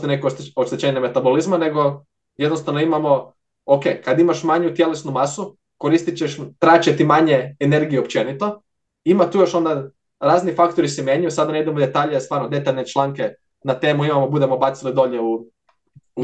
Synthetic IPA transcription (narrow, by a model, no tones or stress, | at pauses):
t̪enekooʃt̪et͡ɕeːɲemet̪abo̞lizmane̞ɡo̞ | jed̪nost̪aʋnoimamo̞ | oke̞ːkad̪imaʃmaɲut̪je̞lesnumasu | ko̞ɾist̪it͡ɕeʃt̪ɾaːt͡ʃet̪imaɲeːne̞ɾɡijuop̚t͡ʃe̞nit̪o̞ | imat̪uːjo̞ʃo̞nd̪a | ɾaːznifak̚t̪oɾisɛmjeɲujusad̪aneid̪emod̪e̞t̪aːʎest̪ʋaːɾnod̪e̞t̪aʎne̞t͡ʃlˠaŋke | nat̪e̞ːmuimamobud̪e̞mo̞bat̪silid̪o̞ʎeu